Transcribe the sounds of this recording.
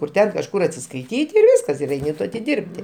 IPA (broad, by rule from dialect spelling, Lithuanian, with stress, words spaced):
kʊr ˈtʲɛn kɐʃˈkʊr ɐtʲsʲɪskɐɪˈtʲiːtʲ ɪr ˈʋʲɪskɐs ɪr ˈɛɪnʲɪ tʊ ɐtʲɪˈdʲɪrʲpʲtʲɪ